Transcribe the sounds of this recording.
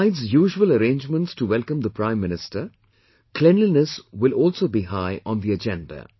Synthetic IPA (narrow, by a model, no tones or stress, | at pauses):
ɪdzjuːʒuələɾẽːnd͡ʒmə̃nʈstuʋɛlkə̃md̪əpʰɾãɪ̃mːɪ̃nɪsʈə | kʰlɛ̃nlinəswɪlɔːlsoːbiɦaɪʔɔ̃nd̪iəd͡ʒɛ̃ndə̰